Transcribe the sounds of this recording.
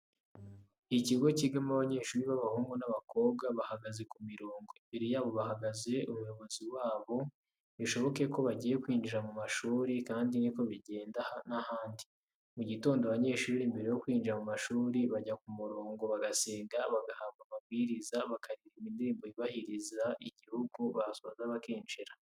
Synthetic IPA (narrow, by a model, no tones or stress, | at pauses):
iiciɡo̞ciɡamaβaɲe̞ːʃuːɾiβaβahuːŋɡunaβako̞ːβɡaβahaɡaze̞kumiɾoːŋɡombeɾejaːβo̞βaɦaɡaze̞umujo̞βo̞ziwaːβo̞ | βiʃo̞βo̞ke̞ko̞βaɟiːje̞kwiːnd͡ʒiɾamumaʃuːɾikaːndiniko̞βiɟe̞ːndahanahaːndi̥ | muɟito̞ːndoaβaɲe̞ːʃuːɾimbe̞ɾejo̞kwiːnd͡ʒiɾamumaʃuːɾiβaɟakumuɾoːŋɡo̞βaɡaseːŋɡaβaɡahaːmɡamabɡiːɾizaβakaɾiɾimindiɾiːmboiβahiɾizaʔiɟihuɡuβaɾasozaβakiːnd͡ʒiɾa